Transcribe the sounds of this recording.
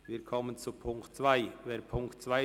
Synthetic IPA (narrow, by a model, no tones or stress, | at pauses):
viːɐkʰɔmənt͡supʰʊŋktt͡sv̥aɪveːɐpʰʊŋktt͡sv̥aɪ